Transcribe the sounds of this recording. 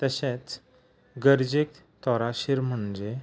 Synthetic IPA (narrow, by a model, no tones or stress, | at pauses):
t̪əɕet͡s | ɡəɾd͡ʑek̚ | t̪ɔɾaɕiɾm̤əɳd͡ʑe